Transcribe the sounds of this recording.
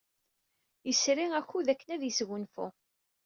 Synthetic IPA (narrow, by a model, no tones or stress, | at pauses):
jəsɾiæçuðækːənæðjəsɣʊnfuʊ̰